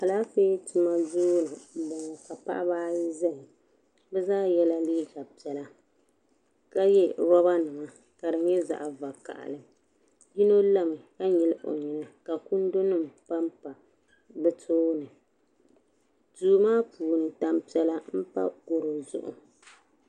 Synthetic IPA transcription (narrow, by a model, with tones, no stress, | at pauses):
ka˨la˦feː˦tɨ˦ma˦zu˦lɨ˨m̩˦bɔ˨ŋɔ˨ka˨pa̰˦ʔa˦baː˦zɛ˦hɪ˨ | bɛ˦zaː˦jɛ˦la˦liː˦ɡa˨pi˨˦ɛ˦la˦ | ka˦jɛ˦bɔ˦ba˦nɨ˨ma˨ | ka˨dɨ˨ɲɛ˦za̰˨ʔa˨va˨ka̰˨ʔa̰˨lɨ˨ | ji˦no˦la˦mɨ˨ka˦ɲɛ˨lɨ˦ʔo̰˨ɲi˨nɨ˨ka˨ku˦n˦do˦nɨ˦mpa˦mpa˨ | bɛ˦tʰoː˦nɨ˨ | tuː˨˦maː˦puː˨nɨ˨ta˨mpi˨˦ɛ˦la˦m̩˦pa̰˦ɡo˨ɾo˨zʊ̰˦ʔʊ̰˨